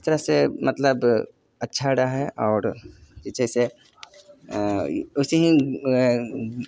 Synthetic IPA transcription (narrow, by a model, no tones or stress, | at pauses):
ɪst̪əɾəsemɐt̪ləb | ɐtːʃʰaɽaɦɛʔɔːɾd͡ʒɪt͡ʃese | ʊseɦĩ